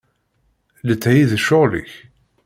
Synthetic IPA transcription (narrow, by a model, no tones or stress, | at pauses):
lət͡sːhiðʃʊʁlḭç